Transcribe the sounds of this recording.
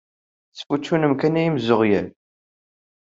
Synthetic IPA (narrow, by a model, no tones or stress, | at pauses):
θsfut͡ʃːunəmkænæjimzoʁjæn